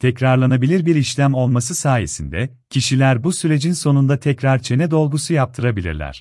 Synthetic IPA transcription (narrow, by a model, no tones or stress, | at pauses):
t̪ʰɛcɾaɾlˠanabilʲiɾbiɾiʃlʲæmo̞lˠmasɯsaːjesind̪ɛ | cʰiʃilʲæɾbusyɾe̞d͡ʒinso̞nund̪at̪ʰɛcɾaɾt͡ʃʰe̞nɛd̪o̞lˠɡusujap̚t̪ʰɯɾabilʲḭɾlʲæ̰ɾ̝̥